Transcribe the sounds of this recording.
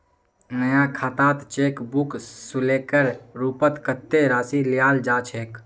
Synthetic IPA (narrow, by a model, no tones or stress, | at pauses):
nəjãkʰaːt̪aːt̪t͡ʃeːkbuksuleːkəɾɾuːpət̪kət̪ːeɾaːsilijaːld͡ʒaːt͡ʃʰeːk